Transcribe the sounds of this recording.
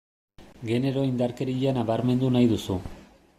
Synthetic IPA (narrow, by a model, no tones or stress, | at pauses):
ɡe̞ne̞ɾo̞ind̪aɾkeɾiʎanaβaɾme̞nd̪unajðusu